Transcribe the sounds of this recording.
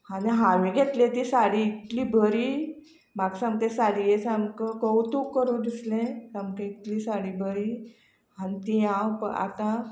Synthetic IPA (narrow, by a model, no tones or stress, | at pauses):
haniɦãʋẽɡʱet̪lẽt̪isaɽiit̪liːbʱəɾi | maɡsãŋɡt̪ẽsalijet͡samkəkəwt̪ukːəɾũd̪islẽtamkẽit̪liːsaɽibʱəɾiː | anit̪iãwpə̰a̰t̪ã